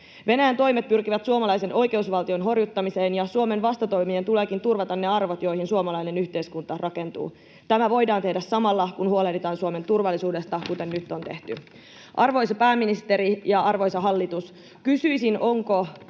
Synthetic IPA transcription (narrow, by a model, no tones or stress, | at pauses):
ʋe̞næjænt̪o̞jmet̪̚pyrk̟iʋæt̪suomɑlɑjse̞nʔo̞jke̞usʋɑlt̪io̞nɦo̞rjut̪ːɑmiseːnjɑsuome̞nʋɑst̪ɑt̪o̞jmient̪ule̞ːkint̪urʋɑt̪ɑnːe̞ɑrʋot̪jo̞jhinsuomɑlɑjne̞nyçt̪e̞jskunt̪ɑrʔɑke̞nt̪ṵː | t̪æmæʋo̞jdɑːnt̪e̞hdæssɑmɑlːɑkunhuolehdit̪ɑːnsuome̞nt̪urʋɑlːisuːde̞st̪ɑkut̪e̞nːyt̪ːont̪e̞̰ht̪y | ʔɑrʋo̞jsɑpæːmːinist̪e̞ɾijɑɑrʋo̞jsɑɦɑlːit̪us | kysyisinʔo̞ŋko